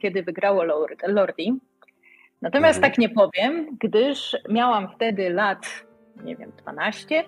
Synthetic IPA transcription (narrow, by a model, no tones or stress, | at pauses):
kʲjɛd̪ɘvɘɡɾawɔlɔlɔɾd̪ʲi | nat̪ɔmʲjast̪ːakɲɛpɔvʲjɛmɡd̪ɘʂmʲjawamft̪ɛd̪ɘlat̪ | ɲɛ̰vʲjɛ̰md̪̥va̰naɕt͡ɕɛ